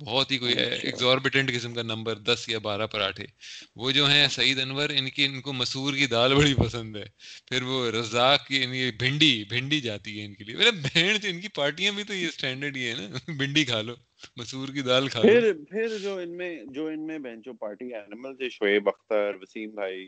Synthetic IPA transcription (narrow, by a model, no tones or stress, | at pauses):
bɔːt̪ɦikoːiɛ̰ɛ̰kzɔːɾbɪʈə̃ɳʈkɪsəmkanɐ̃mbəɾd̪ɐsjabaːɾapɐɾa̰ːʈʰḛːʋoːd͡ʒoːɦɛ̃sɐiːd̪ɐnʋəɾɪnkinkomɐsuːɾkid̪aːlbɐɽipɐsə̃nd̪ɦɛːpʰɪɾʋoɾɐzaːkkiɪnkebʱɪ̃ɳɖibʱɪ̃ɳɖid͡ʒaːt̪iɦɛɪnkeliebɛlebɛːɳ̃t͡ʃɪnkipaːɾʈijãbʱit̪ojesʈɛ̃ːɳɖəɾɖkiɦɛnabʱɪ̃ɳɖikʰaːloː | mɐsuːɾkid̪aːlkʰaːɪɾpʰɪɾd͡ʒoːɪnmẽd͡ʒoːɪnmẽbɛ̃ːɳt͡ʃoːpaːɾʈiɛːnɪməlseʃoeːbɐxt̪əɾʋɐsiːmbʱaːiː